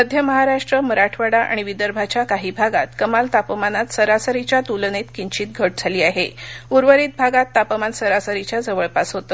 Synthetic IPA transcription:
əd̪ʱjəməɦaɾaʂʈɾəməɾaʈʰʋaɽaʔa̰ɽ̃iʋid̪əɾbʱat͡ɕjakaɦiːbʱaɡat̪kəmalt̪apəmanat̪səɾasəɾit͡ɕjat̪ulnet̪kiɲt͡ɕiːt̪̚ɡʱəʈ̚d͡zʱaliːaɦeuɾʋəɾiːt̪̚bʱaɡat̪ːapəmansəɾasəɾit͡ɕjad͡zəʋəɭpasɦot̪əː

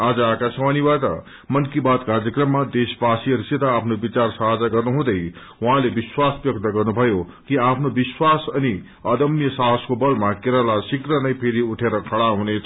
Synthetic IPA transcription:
ad͡zʌaːkasmanibaʈ̪ʌ̰ | mʌnkibad̪kard͡zʌkrʌmːad̪esbasiʌɾisit̪aapʰnobit͡sarsʌɦad͡zaɡʌrnuɦũd̪ʌj | waɦãlebiswasbjʌk̚t̪ʌɡʌrnubʱʌjo | kiapʰnobiswasʌni | ʌd̪ʌmjʌsaɦʌd͡zkobʌlmakeɾalasikrʌnʌjpʰeɾiuʈʰeɾʌkʰʌɽaɦunet͡sʰʌ

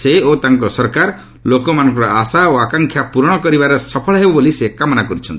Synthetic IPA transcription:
seot̪aŋkɔsɔɾkaɾ | lokɔmanɔ̃ŋk̬ɔɾɔasaoakaŋkʰjapuɾɔɽ̃ɔkɔɾibaɾɔsɔpʰɔɭɔɦebɔbolisekamɔnakɔɾut͡ʃʰɔnt̪i

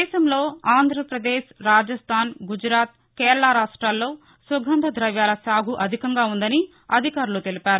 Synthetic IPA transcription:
ɛːʃɐmlo̞ːaːnd̪ʱɾɐpɾɐd̪eːʃɾaːd͡ʒɐst̪ʰaːnɡud͡ʒɾaːt̪̚ | keːɾɐɭaɾaːʂʈɾaːlːo̞ː | sɐɡʱɐnd̪ɐd̪ɾɐʋjaːlɐsaːɡʱuʔɐd̪ʱikɐŋɡaːund̪ɐni | ɐd̪ʱikaːɾulut̪elipaːɾu

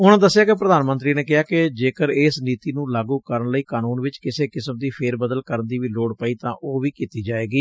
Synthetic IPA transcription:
ʊñd̪əsːɪjaːkepɾəd̪aːnmə̃nt̪ɾiːneːkɪɦaːkɪd͡ʒeːkəɾeːsniːt̪iːnũːlaːɡũːkəɾənləiːkaːnuːnʋɪt͡ʃkɪseːkɪsəmd̪iːpʰeːɾbəd̪əlkəɾənd̪iːʋiːloːɽpəiːt̪ãːʔoːʋiːkiːt̪iːd͡ʒaːeːɡiː

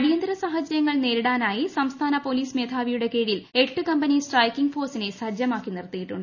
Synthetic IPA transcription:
ɐɽijɐnd̪ɾɐsaːɦɐd͡ʑɐɾjɐŋːɐɭne̞ːɾiɽaːnaːjisɐmst̪ʰaːnɐpo̞liːsme̞ːd̪ʱʰaːʋijuɽe̞ke̞ːɻijileʈːɨkɐmbɐnisʈrɐjkːiŋɡfo̞ːsine̞sɐd͡ʑjɐmaːkːinirt̪ːijiʈːuɳɖɨ

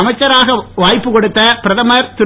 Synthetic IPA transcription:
ɐmɐɪt͡ʃːɐɾaːɣɐʋaːjpːɯkɔɽɯt̪ːɐpɪɾɐðɐmɐɾt̪ɪ

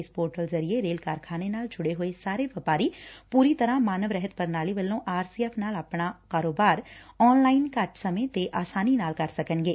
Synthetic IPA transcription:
spoːɾʈəlzəɾieɾeːlkaːɾkʰaːnenaːld͡ʒʱʊɽeːɦoːesaːɾeːʋəpaːɾiːpuːɾiːt̪əɾãːmaːnəʋɾɛɦət̪pəɾnaːliːʋəlːõːʔaːɾsiːɛːpʰnaːlaːpɳaːkaːɾoːbaːɾɔːnlaːinkəʈsəmẽːt̪eːʔaːsaːniːnaːlkəɾsəkəɳɡeː

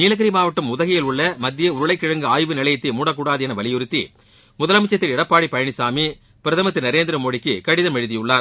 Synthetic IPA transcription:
niːlɐɣɐɾimaːʋɐʈːɯmʊðɐɣɐjɪlʊɭːɐmɐd̪ːɪjɐʊɾɯɭɐɪkːɪɻɐŋɡɯaːjʋɯnɪlɐjɪt̪ːimuːɽɐk̬ːuːɽaːðɯjɛnɐʋɐlɪjʊɾɯt̪ːḭ | mʊðɐlɐmɪt͡ʃːɐt̪ːɪlɪɽɐpːaːɽipːɐjɐɳɪsaːmi | pɪɾɐðɐmɐt̪ːɯnɐɾeːnd̪ɪɾɐmoːɽɪkːɯkɐɽɪðɐmɛɻɯðɪjɯɭːaːɾ

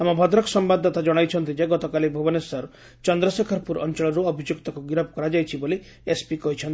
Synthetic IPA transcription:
amɔbʱɔd̪ɾɔksɔmbad̪ʱːɔt̪ad͡ʒɔɽ̃ajt͡ʃʰɔnt̪id͡ʒaɡɔt̪ɔkalibʱubɔnesɔɾ | t͡ʃɔnd̪ɾɔsekʰɔɾpuɾʔɔ̰nt͡ʃɔɭɔɾuɔbʱid͡ʒjukt̪ɔkuɡiɾɔb̚kɔɾad͡ʒajt͡ʃʰiboli | espikɔɦit͡ʃʰɔnt̪

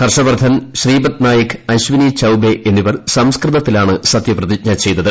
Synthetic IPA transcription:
kɐrʂɐbɐrd̪ʱʰɐnɕriːbɐt̪naːjɐkɨɐɕʋinit͡ɕɐwbeʔenːiʋɐrsɐmskrɨðɐt̪ːilaːɳɨsɐt̪jɐprɐðit͡ɕɲɐt͡ɕe̞jnːɐðɨ

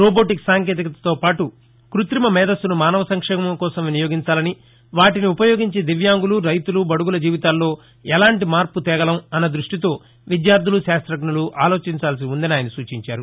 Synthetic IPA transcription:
ɾoːboːʈiksaːŋkeːt̪ikɐt̪ɐt̪o̞ːpaːʈu | kɾut̪ɾimɐmɛːd̪ɐst̪unumaːnɐʋɐsɐŋkʂɛːmɐɐmkɔːsɐmʋinijoːɡiɲt͡ʃaːlɐni | ʋaːʈiniupɐjo̞ːɡiɲt͡ʃid̪iʋjaːŋɡuluɾɐjt̪ulubɐɽuɡulɐd͡ʒiːʋit̪aːlːo̞ː | ɛlaːɳʈimaːɾput̪ɛːɡɐlɐmɐnːɐd̪ɾuʂʈit̪o̞ː | ʋid̪jaːɾd̪ʱuluʃaːst̪ɾɐkɳuluʔaːlo̞ːt͡ʃiɲt͡ʃaːlɐs̬iund̪ɐniaːjɐnisuːt͡ʃiɲt͡ʃaːɾu

